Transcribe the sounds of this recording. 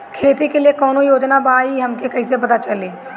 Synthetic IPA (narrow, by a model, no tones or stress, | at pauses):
kʰeːt̪ikeliekɔːnojoːd͡ʒnabaːiɦɐmkekɐĩsebɐd̪at͡ʃɐleː